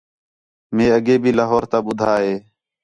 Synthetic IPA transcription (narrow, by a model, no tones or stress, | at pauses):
mẽːəɡeːbʱiːlaːɦoːɾt̪aːɓʊd̪ʱaːɦeː